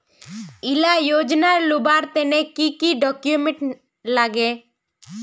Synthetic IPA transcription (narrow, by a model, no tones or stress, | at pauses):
ɪlajoːd͡ʒnaɾlubaɾt̪ɛnekikiɖɔkjumẽʈ | laɡe